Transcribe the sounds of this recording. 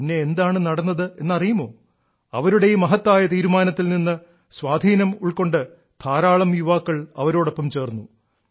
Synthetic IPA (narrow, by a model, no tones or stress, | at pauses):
inːe̞ːnd̪aːɳɨnɐɽɐnːɐðɨe̞nːɐrijumo̞ː | ɐʋɐɾuɽe̞jumɐɦɐt̪ːaːjɐt̪iːɾumaːnɐt̪ːilninːɨ | swaːd̪ʱiːnɐmuɭko̞ɳɖɨ | t̪ʰaːɾaːɭɐmjuʋaːkːɐɭɐ̰ʋɐɾo̞ːɽo̞pːɐmt͡ɕe̞ːrnːu